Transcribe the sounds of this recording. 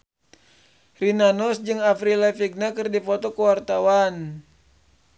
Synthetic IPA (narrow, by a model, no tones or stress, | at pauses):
rinanɔsd͡ʒɨŋafɾilɛfiɡ̚nakɨrdifɔt̪ɔkəwart̪awan